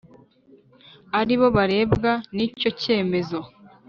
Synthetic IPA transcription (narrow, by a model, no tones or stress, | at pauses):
aɾiβo̞βaɾe̞ːbɡanico̞ce̞ːme̞zo̞